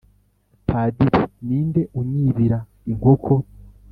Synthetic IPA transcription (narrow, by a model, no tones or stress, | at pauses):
pʰaːdiɾiniːnde̞ʔuɲiːβiɾa | iŋɡokʰo